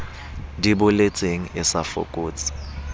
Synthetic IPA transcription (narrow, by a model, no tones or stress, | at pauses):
ndʱiɓʊlet͡sʼeŋ̩ɛsafo̰kʼuːt͡sʼḁ